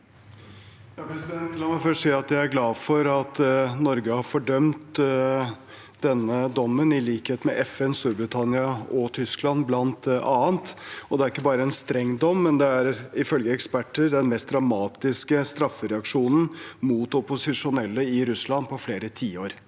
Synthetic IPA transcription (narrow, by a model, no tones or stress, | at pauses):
jɑpʰɾɛsɪd̪ɛnt̪ːɪlɑmæfœʂsiːɑt̪jæɪæɾɡlɑːdfɔɾɑt̪nɔɾɡəhɑɾfɔɖœmt̪ | d̪ɛnːəd̪ɔmːənɪliːkheːt̪mɛʔɛfɛnst̪uːɾbɾɪt̪ʰɑnɪɑɔt̪ʰʏsklɑnblɑnt̪ɑːənt̪ɔd̪ɛæɾɪkːəbɑːɾəɛnst̪ɾɛŋd̪ɔmːɛnd̪ɛæɾɪfœlɡəɛkspæʈːəɾd̪ɛnmɛst̪d̪ɾɑmɑːt̪ɪskəst̪ɾɑfːəɾɛɑkʂuːnən̩muːt̪ɔpʊsɪʂʊnɛlːəɪɾʉslɑnpʰɔfleːɾət̪ʰiːoːɾ